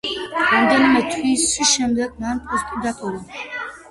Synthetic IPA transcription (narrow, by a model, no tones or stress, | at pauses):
ɾamd̪ɛnimɛt̪ʰwiswiʃɛmd̪ɛɡ̚manpʼɔst̪ʼid̪at̪ʼuɾa